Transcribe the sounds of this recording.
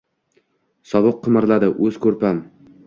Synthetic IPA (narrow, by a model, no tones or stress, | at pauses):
sɒbɨqʰːɨmɪɾlad̪ɪʔɵzkʰɵɾpam